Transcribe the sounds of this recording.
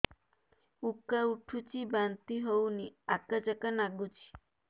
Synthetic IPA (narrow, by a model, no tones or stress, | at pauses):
ukːauʈʰut͡ʃibant̪iɦowniakad͡ʒakanaɡut͡ʃi̥